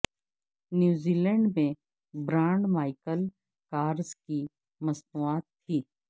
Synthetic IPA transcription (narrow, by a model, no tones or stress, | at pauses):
njuːziːlɛ̃ɳɖmẽ | bɾãːɳɖmaːɪkəl | kaːɾzki | mɐsnuaːt̪ʰːiː